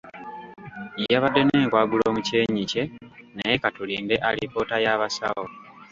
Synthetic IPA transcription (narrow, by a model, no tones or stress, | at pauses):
ijaβadːe̞neːŋkwaːɡulo̞muce̞ːɲice̞nejekatuliːnde̞ʔalipo̞ːtajaβasa̰o